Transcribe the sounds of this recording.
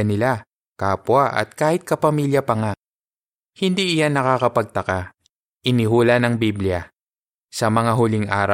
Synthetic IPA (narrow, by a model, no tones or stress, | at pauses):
ɐnɪla | kaːpwaʔɐ̰t̪̚kaːhɪt̪̚kɐpɐmiːljɐpɐŋa | hɪnd̪iʔɪjanːɐkakɐpɐɡ̚t̪ɐka | ʔɪnɪɦuːlɐnɐŋbibljɐ | sɐmɐŋaɦʊlɪŋʔa̰ːɾa